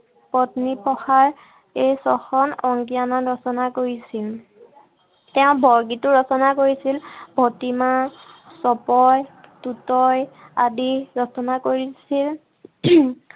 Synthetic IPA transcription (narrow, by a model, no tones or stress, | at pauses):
pɔtnipɔxaɹ | ejsɔxɔnɔŋɡijananɹɔsɔnakoɹisil | tɛʊ̃bʱɔɹɡitʊɹɔsɔnakoɹisilbʱɔtimasɔpɔjtutɔj | a̰diɹɔsɔnakoɹisil